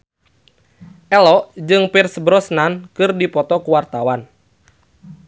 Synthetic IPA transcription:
ʔɛlɔʔd͡ʒɨŋpirsbɾɔsnankɨrdipɔt̪ɔkuwart̪awan

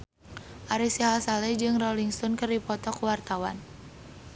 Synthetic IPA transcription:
ʔaɾisiɦalsalɛd͡ʒɨŋrɔliŋst̪ɔnkərdipɔt̪ɔkwart̪awan

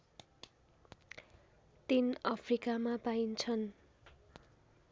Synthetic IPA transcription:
t̪inʌpʰrikamapaint͡sʰʌn

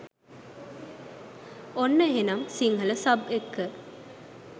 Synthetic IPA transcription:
onːəɦenɐmsiŋɦɐləsɐbekːə

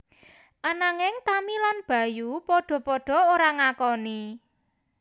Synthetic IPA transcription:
ʔanaŋɪŋt̪amilanb̥ä̤jupɔɖ̥ɔ̤pɔɖ̥ɔ̤oɾaŋakɔni

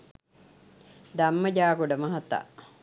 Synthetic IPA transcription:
d̪amːəɟaːkuɖəmɐɦɐt̪a̰

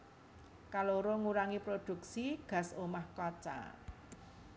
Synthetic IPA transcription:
kaloɾoŋuɾaŋipɾod̪̥ṳksiɡ̥ä̤somahkɔt͡ʃa̰

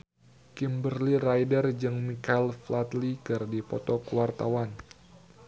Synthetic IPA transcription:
kimbərlirajdərd͡ʒɨŋmikailflat̪likɨrdipɔt̪ɔkuwart̪awan

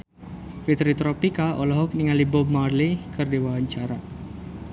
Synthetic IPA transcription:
fit̪ɾit̪ɾɔpikaʔɔlɔɦɔk̚niŋalibɔb̚marlikərdiwawaɲt͡ʃaɾa

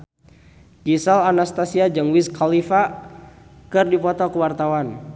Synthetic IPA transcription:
kisalanast̪asiad͡ʒəŋwiskʰalifa | kɨrdipɔt̪ɔkəwart̪awan

